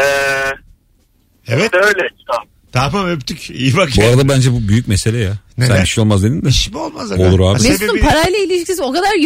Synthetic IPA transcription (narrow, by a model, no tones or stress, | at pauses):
ɛ | evɛøjlʲɛt͡ʃt̪am | t̪ʰaɾpamøpt̪ʰycijibakbuaɾad̪abænd͡ʒɛbubyjyc̚mese̞lʲejasænbiʃejo̞lˠmazd̪enind̪ɛiʃbiolˠmazaolˠuɾaːbbiesumpʰaɾajlˠailʲiʃicsʲizo̞kad̪aɾj